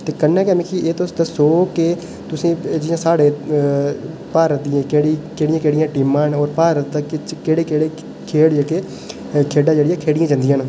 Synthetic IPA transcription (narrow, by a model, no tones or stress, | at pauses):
t̪eːkənːɛ̃ːkɛːmɪ̃kʰiʔeːt̪osd̪asoːkeː | t̪ʊsĩːd͡ʒɪjãːsaːɽeː | paːɾət̪̚d̪ijãːkeːɽiːkeːɽɪjãːkeːɽɪjãːʈɪːmãːnɔːɾpaːɾət̪ːkɪt͡ʃkeːɽeːkeːɽeː | kʰeːɽd͡ʒeːkeː | kʰeːɖaːd͡ʒeːɽɪjãːkʰeːɽɪjãːd͡ʒãnd̪ɪjãːn